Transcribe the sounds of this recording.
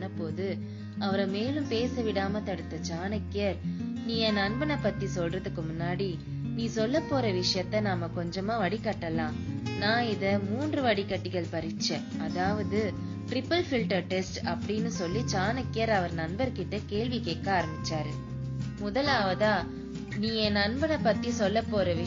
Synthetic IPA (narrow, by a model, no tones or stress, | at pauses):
nːɐpːoːðɯ | ɐʋɐɾɐmeːlɯmpeːsɐʋɪɽaːmɐt̪ɐɽɯt̪ːɐt͡ʃaːnɐkːɪjɐɾniːɛnɐnbɐnɐpːɐt̪ːisɔlrɐðɯkːɯmʊnːaːɽi | niːsɔlːɐpːoːɾɐʋɪʂɐjɐt̪ːɐnaːmɐkɔɲd͡ʒɐmaːʋɐɽikɐʈːɐlãːnãːɪðɐmuːndrɯʋɐɽikːɐʈːɪɣɐɭpɐɾɪt͡ʃːɛ̃ːʔɐðaːʋɐðɯ | ʈɾɪpːɐlfɪlʈɐɾʈɛsʈɐpːɐɽɪnːɯsɔlːit͡ʃaːnɐkːɪjɐɾɐʋɐɾnɐnbɐɾkɪʈːɯkeːɭʋɪkeːkːaaːɾɐmbɪt͡ʃːaːɾɯ | mʊðɐlaːʋɐðaː | niːɛnɐnbɐnɐpːɐt̪ːisɔlːɐpːoːɾɐʋɪ